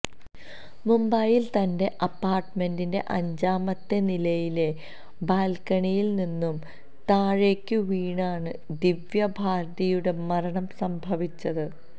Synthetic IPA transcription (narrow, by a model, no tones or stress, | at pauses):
mumbɐjilt̪ɐnde̞ʔɐpːaːrʈme̞ndinde̞̰ʔɐɲd͡ʑaːmɐt̪ːenilɐjile̞ | baːlkɐɳijilninːum | t̪aːɻe̞ːkʲːɨʋiːɳaːɳɨd̪iʋjɐbʱaːɾd̪ɐjuɽe̞mɐɾɐɳɐmsɐmbʱɐʋit͡ɕːɐðɨ